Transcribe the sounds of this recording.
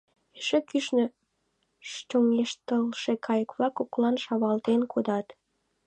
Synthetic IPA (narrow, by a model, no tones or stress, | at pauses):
eʃekyʃnø | ʃt͡ɕoŋeʃt̪əlʃekʰɑjəkβlɑkoklɑnʃɑβɑlt̪enkʰod̪ɑt̪